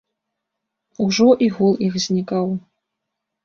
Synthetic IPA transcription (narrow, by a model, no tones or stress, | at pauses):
uʐɔʔiɣulˠixzʲnʲikaw